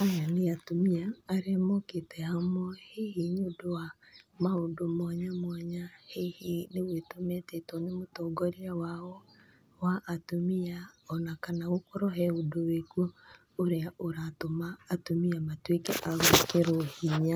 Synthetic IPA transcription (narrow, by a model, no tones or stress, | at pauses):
ajaneatomiaːɾemoketɛhamɔhehiɲodoa | maodomaɲamwaɲahehinewetomɛtɛtɔnemotoːɡɔɾiawaɔ | waʔatomiaɔnakanaɣokoɾɔɦɛodowekuo | oɾeaʔoɾatomaːtomiamatwekɛʔaɣokeɾohiɲa